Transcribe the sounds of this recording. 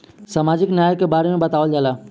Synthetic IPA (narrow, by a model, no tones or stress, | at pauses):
sɐmaːd͡ʑɪknjaːjkːebaːɾemẽbɐt̪aːʋəld͡ʒalaː